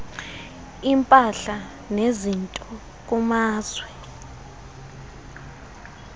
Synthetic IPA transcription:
impʼaɬa | nezintʼɔ | k̬umaːz̥wɛ

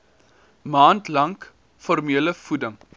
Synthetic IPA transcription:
mɑːntlɐŋk | fɔrmiələfudəŋ

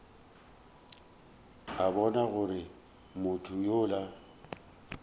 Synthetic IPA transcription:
abɔnaɣʊɾɪ | mʊtʰʊjoːla

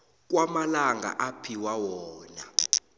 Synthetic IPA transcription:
k̬wamalaŋɡa̰ʔapʰiwawɔːna

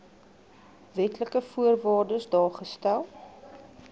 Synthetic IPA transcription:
vɛtləkəfuərvɑːrdəsdɑːχəstælˠ

